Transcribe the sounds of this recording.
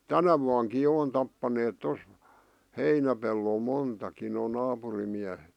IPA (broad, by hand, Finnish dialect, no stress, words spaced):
tænæ ʋuɑŋki jo on tɑpːɑneːt tos heinæpelːol montɑkin noː nɑːpurim miæhet